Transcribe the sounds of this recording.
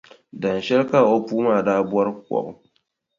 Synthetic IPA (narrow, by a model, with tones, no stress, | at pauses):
dɐ˨n˨ʃɛ˦ɾka˨ʔo˦puː˦maː˦˨daː˦bʊ˦ɔ˦ɾkwɔ̰˨ʔʊ˦